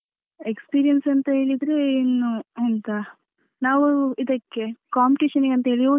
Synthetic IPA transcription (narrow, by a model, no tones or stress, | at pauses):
ekspiːɾijɐnsɐnt̪ɐɦeːɭid̪ɾe̞inːuɐnt̪ɐ | naːʋuid̪ɐkːe̞kaːmpiʈiːʃɐniɡeɐnt̪ɐɦeːɭio